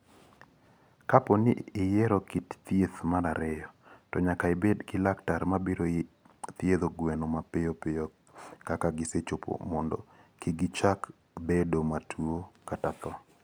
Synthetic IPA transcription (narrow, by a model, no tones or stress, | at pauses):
kapɔniːjɛɾɔkitt̪jeθmaɾaɾɛjɔtɔɲakaɪbedɡɪlaktaɾmabiɾo | t̪jed̪oɡwenomapejopejɔ | kakaɡɪset͡ʃopʰo̰mɔndɔ̰ | kiɡit͡ʃak | bedomatʰuokatat̪ɔ